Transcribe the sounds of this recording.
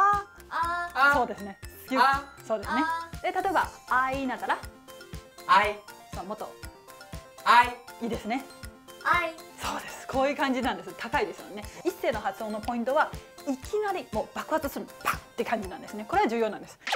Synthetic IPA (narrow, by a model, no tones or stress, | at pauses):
a | so̞ːd̪e̞sɨne̞skʲso̞ːd̪e̞sɨned̪̥e̞t̪at̪o̞ebaainat̪ːaɾa | somot̪ːo̞̰ | aiiːd̪e̞sɨne̞ | so̞ːd̪e̞sɨ̥kʰo̞ːjɯ̟ːkãɲ̟d͡ʑinãnd̪esɨt̪ʰakaid̪e̞sɨmo̰nːeise̞ːno̞hat͡sɨo̞ːnːopo̞ĩnt̪o̞βaikʲʰinaɾʲimo̞ːbakɯ̟hat͡sɨsɨɾɯb̥ḁt̪ːekãɲ̟d͡ʑinãnd̪e̞sɨnekoɾe̞βad͡ʑɨːjoːnãnd̪esɨ̥